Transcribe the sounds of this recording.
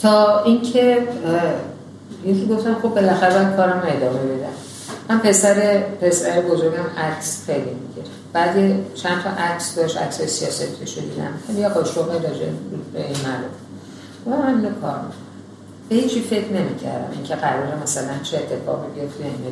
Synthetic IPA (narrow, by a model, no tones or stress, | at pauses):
t̪ʰɒːiŋkʰe | jekʰiɡoft̪æmxo̞bːe̞læxæɾebækʰɒːɾæmoe̞d̪ɒːme̞be̞d̪æ̰m | mænpʰe̞sæɾepʰe̞sæɾebozo̞ɾɡæmækʲʰsxejlimiɡe | b̥æːd̪jet͡ʃʰænt̪ʰɒʔækʰsd̪ɒʃtæ̰ksɒjesijɒ̰ːsæt̪ʰeʃod̪iːd̪æ̰mxælijeʔɒʃoɦɒjid̪ɒd͡ʒḛubeinmælof | ɡofæmænd̪lekʰɒ̰ːɾmḭkʰonæ | b̥ehiːt͡ʃʰife̞kʰne̞miːcʰæ̰ɾd̪æ̰mḭŋcʰeɣæɾɒːɾemæsælænt͡ʃʰiet̪ʰːe̞fɒ̰ʁibio̞ft̪iæne